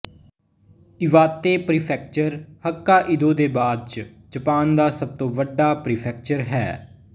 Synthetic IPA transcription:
ɪʋaːt̪eːpɾiːpʰɛːk̚t͡ʃəɾhəkːaːʔɪd̪õːd̪eːbaːd̪̚t͡ʃ | d͡ʒəpaːnd̪aːsəb̚t̪õːʋəɖaːpɾiːpʰɛːk̚t͡ʃəɾɦɛ̰ː

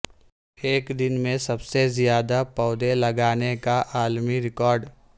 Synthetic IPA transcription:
eːkd̪ɪnmẽsɐbsezijaːd̪apɔːd̪elɐɡaːnekaʔaːlmiɾɪkɔːɾɖ

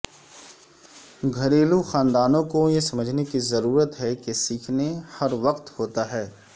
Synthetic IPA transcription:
ɡʱɐɾeːluxaːnd̪aːnõkojesɐməd͡ʒʱnekizɐɾuːɾət̪ɦɛkesiːkʰnehɐɾʋɐqt̪hoːt̪aɦɛː

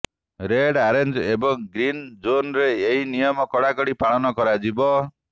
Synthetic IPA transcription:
ɾeɽaɾend͡ʒebɔŋɡɾind͡ʒonɾeːɦinijɔmɔkɔɽakɔɽipaɭ̃ɔnɔkɔɾad͡ʒibɔ

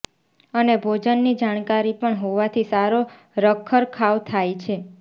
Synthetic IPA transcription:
ənebʱod͡ʒənːid͡ʒaɽ̃kaɾipəɳɦoʋat̪ʰisaɾo | ɾəkʰːəɾkʰaʋt̪ʰajt͡ʃʰe

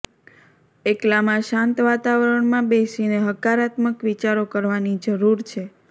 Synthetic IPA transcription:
eklamãʃãnt̪ʋat̪aʋəɾəɳmãbesineɦəkaɾat̪məkʋit͡ʃaɾokəɾʋanid͡ʒəɾuɾt͡ʃʰe

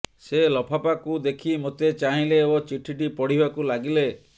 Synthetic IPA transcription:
selɔpʰapakud̪ekʰimot̪et͡ʃaɦĩleot͡ʃiʈʰiʈ̬ipɔɽ̤ibakulaɡile

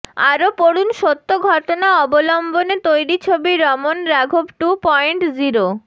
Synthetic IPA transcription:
a̰ɾopoɽunʃot̪ːoɡʱɔʈonaɔbolɔmbonet̪ojɾit͡ɕʰobiɾɔmonɾaɡʱobʈupɔjɳʈd͡ʑiɾo

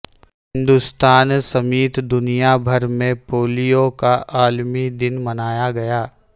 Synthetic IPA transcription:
hɪ̃nd̪ʊst̪aːnsɐmiːt̪d̪ʊnijabʱɐɾmẽpoːlijokaʔaːlmid̪ɪnmɐnaːjaɡɐjaː

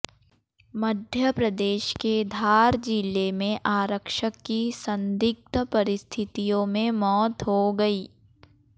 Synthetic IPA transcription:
məd̪ʱjəpɾɐd̪eːʃked̪ʱaːɾd͡ʒilemẽʔaːɾəkʃəkːisə̃nd̪ɪk̚t̪əpɐɾɪst̪ʰɪt̪ijõmẽmɔːt̪ɦoɡɐiː

